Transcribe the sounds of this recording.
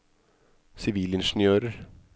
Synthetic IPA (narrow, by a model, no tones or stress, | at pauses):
sɪʋiːlɪnʃn̩jøːɾəɾ